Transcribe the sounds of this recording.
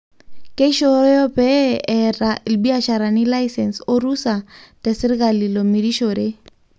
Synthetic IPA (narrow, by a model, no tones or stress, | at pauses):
keʃojɔpɛɛralbiaʃaɾanilaisɛnsorusatɛsɪɾikalilomiɾiʃoɾe